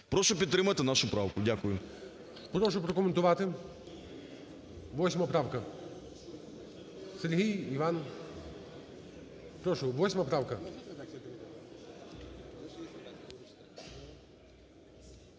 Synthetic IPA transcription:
pɾɔʃɔpʲid̪t̪ːɾɪmɐt̪ɪnaʃʊpɾawkʊdʲakʊjʊ | pɾɔʃʊpɾɔkɔment̪ʊʋɑt̪ɪ | ʋɔsʲmɐpɾɑwkɐ | seɾʲɦijiʋɑn | pɾɔʃʊʋɔsʲmɐpɾɑwkɐ

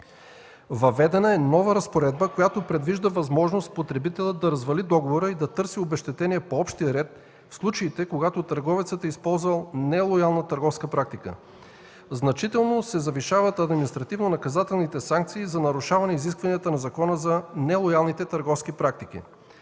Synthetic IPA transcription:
vɐvɛd̪ɛnəɛnɔvəɾɐspoɾɛd̪bəkojat̪opɾɛd̪viʒd̪əvɐzmɔʒnost̪pot̪ɾɛbit̪ɛlʲət̪̚d̪ɐɾɐzvɐlid̪ɔɡovoɾəid̪ɐt̪ɤɾsiobɛʃt̪ɛt̪ɛniɛpoɔpʃt̪ijəɾɛt̪̚ | fslˠut͡ʃəit̪ɛkoɡat̪ot̪əɾɡɔvɛt̪sət̪əispɔlˠzvɐlˠnɛlˠojalˠnət̪ɐɾɡɔfskəpɾak̚t̪ikə̰ | znɐt͡ʃit̪ɛlˠnosɛzɐviʃavət̪ɐd̪minist̪ɾɐt̪ivnonɐkɐzat̪ɛlˠnit̪ɛsaŋkt̪siːzɐnɐɾuʃavɐnɛiziskvɐnijət̪ənɐzɐkɔnəzɐnɛlˠojalˠnit̪ɛt̪ɐɾɡɔfskipɾak̚t̪ik̟ḭ

